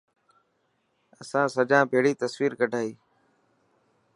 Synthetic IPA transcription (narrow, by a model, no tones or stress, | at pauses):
əsãːsəd͡ʒãːbʱeːɽiːt̪əsʋiːɾkəɖʱaːiː